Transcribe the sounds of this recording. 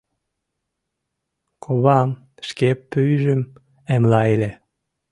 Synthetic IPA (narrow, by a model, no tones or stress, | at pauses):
kʰoβɑm | ʃkepːyjʒəm | emlɑele